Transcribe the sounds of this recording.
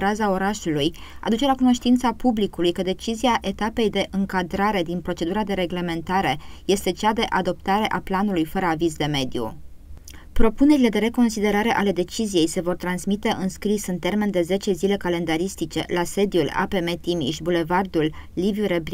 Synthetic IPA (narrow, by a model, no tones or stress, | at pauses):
ɾazao̞ɾaʃuluja̰d̪ut͡ʃe̞lakuno̞ʃt̪int̪sapublikulujkəd̪e̞t͡ʃizijaʔe̞t̪ape̞jd̪e̞ʔɨŋkad̪ɾaɾe̞d̪inpɾo̞t͡ʃe̞d̪uɾad̪e̞ɾe̞ɡle̞me̞nt̪aɾe̞je̞st̪e̞t͡ʃad̪e̞ʔad̪o̞p̚t̪aɾe̞ʔaplanulujfəɾəavizd̪e̞me̞d̪ijṵ | pɾo̞pune̞ɾile̞d̪e̞ɾe̞ko̞nsid̪e̞ɾaɾe̞ʔale̞d̪e̞t͡ʃizije̞jse̞vo̞rt̪ɾansmit̪e̞ʔɨnskɾisɨnt̪e̞rme̞nd̪e̞ze̞t͡ʃe̞zile̞kale̞nd̪aɾist̪it͡ʃe̞̰lase̞d̪jula̰pe̞me̞t̪imḭʃʲbule̞vard̪ulːivjuɾeb